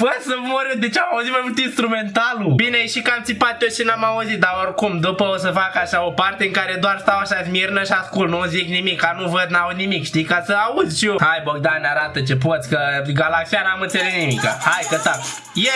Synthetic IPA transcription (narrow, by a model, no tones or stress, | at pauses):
fəsəmoɾɨd̪et͡ʃamauzit̪mamult̪inst̪ɾument̪alubineʃikamt̪ipat̪ʲoʃinamauzit̪̚d̪aorkumd̪upəos̬əfakaʃao̞part̪eɨŋkaɾed̪oarst̪awaʃazmirnəʃaskulnuziknimikːanuvəd̪nauznimikʃt̪ijkasəauzʲʃiohajboɡ̚d̪anaɾat̪ət͡ʃep̬ot̪sʲkəɡalaksijanamɨnt̪selesnimika̰hajkət̪ak | je